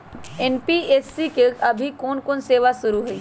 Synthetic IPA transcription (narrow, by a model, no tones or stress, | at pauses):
enpieːsːikeɐbʱikoːnkoːnseːʋasʊɾuɦʊiː